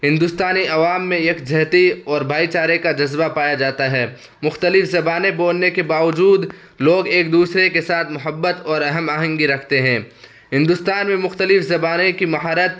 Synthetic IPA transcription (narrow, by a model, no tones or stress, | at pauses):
ɦɪ̃nd̪ʊst̪aːniɐʋaːmːẽeːkd͡ʒʱɐɦt̪iɔːɾbʱaːit͡ʃaːɾekad͡ʒɐzbapaːjad͡ʒaːt̪aɦɛː | mʊxt̪əlɪfzɐbaːnẽboːlnekebaːʋəd͡ʒuːd̪ | loːɡeːk̚d̪uːsɾekesaːt̪ʰmʊɦəbːət̪ɔːɾɐɦəmaːɦə̃ŋɡiɾɐkʰt̪eɦɛ̃ː | ɦɪ̃nd̪ʊst̪aːnmẽmʊxt̪əlɪfzɐbaːnẽkimɐɦaːɾət̪̚